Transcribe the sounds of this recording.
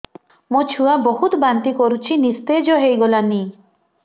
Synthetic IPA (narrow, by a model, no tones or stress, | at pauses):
mot͡ʃʰuwabɔɦut̪ɔbant̪ikɔɾut͡ʃʰinist̪ed͡ʒɔɦejɡɔlani